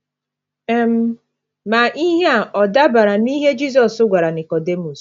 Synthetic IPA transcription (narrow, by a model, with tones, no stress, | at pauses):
e˦m̩˦ | ma˨ʔi˦ɦe˦a˦˨ʔɔ˨da˦ba˨ɾa˨ni˦ɦe˦d͡ʒi˦s̬ɔ˨sʊ˦ɡʷa˨ɾa˨ni˨kɔ˨de˦mu˨s